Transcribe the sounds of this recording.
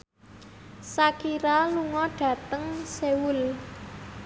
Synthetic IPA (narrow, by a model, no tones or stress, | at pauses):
sakiɾaluŋɔɖ̥ä̤t̪əŋsewʊl